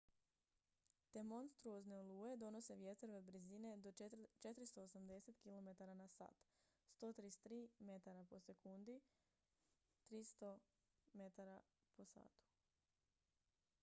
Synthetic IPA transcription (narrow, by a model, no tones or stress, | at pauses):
t̪e̞mo̞nst̪ɾuoznelˠuːe̞d̪o̞no̞se̞ʋje̞t̪ɾoʋebɾizine̞d̪o̞t͡ʃet̪ɾist̪o̞ːsamd̪e̞se̞t̪kilo̞me̞t̪aɾanasa̰ːt̪ | st̪o̞ːt̪ɾist̪ɾiːme̞t̪aɾapo̞se̞kund̪i | t̪ɾist̪o̞ | met̪aɾa | po̞sa̰ːt̪u̥